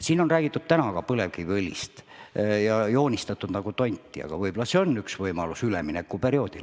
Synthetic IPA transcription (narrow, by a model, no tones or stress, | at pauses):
siːno̞nræːɡ̥it̪ːˑud̪̥̚t̪ænɑkɑpɤle̞vkivelʲːḭst̪jɑjo̞ːnʲist̪ɑt̪ːˑud̪̥nɑɡut̪o̞nʲt̪ːˑiɑ̰ɡ̥ɑvɤjb̥olɑseonːyksvɤjmɑlusylḛminekːˑupe̞ɾio̞ːd̪̥ḭl